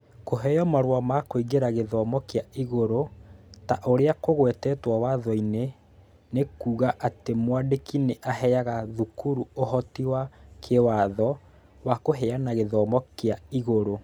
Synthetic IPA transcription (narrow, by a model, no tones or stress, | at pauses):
koɦɛjɔmaɾwamakoiɣeɾaɣeðɔmɔkeaiɣoɾotaʔoɾeakoɣwɛtɛːtwawaðɔine | nekuːɣaʔatemwadekineʔaɦɛjaɣaðukuɾuoɦɔtiwakʰewaðɔ | wakoɦɛanaɣeðɔːmɔkeaiɣoɾo